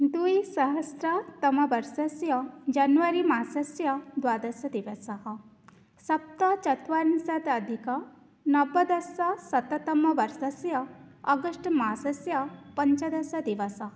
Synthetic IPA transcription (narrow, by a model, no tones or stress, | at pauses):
d̪uisɐɦɐsɾɐt̪ɐmɐʋɐɾsɐsjɐd͡ʒɐnʋɐɾimaːsɐsjɐd̪ʋad̪ɐsjɐd̪iʋɐsɐɦɐ̆ | sɐp̚t̪ɐt͡ʃɐt̪ʋansɐt̪ɐd̪ʱikɐ | nɐbɐd̪ɐsɐsɐt̪ɐt̪ɐmɐʋɐɾsɐsjɐɐɡəʂʈmasɐsjɐpɐɲt͡ʃɐd̪ɐsɐd̪iʋɐsɐɦɐ